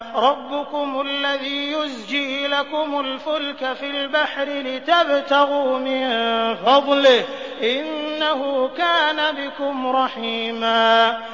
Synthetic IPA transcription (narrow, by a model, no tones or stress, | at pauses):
ɾˤɑbːʊkʊmʔalːaðiːjʊzd͡ʒiːlakʊmʊlfʊlkafilbaħɾɪlɪt̪abt̪aɣuːmɪnfɑd̪ˤlɪh | ʔɪnːahʊkaːnabɪkʊmɾˤɑħiːmaː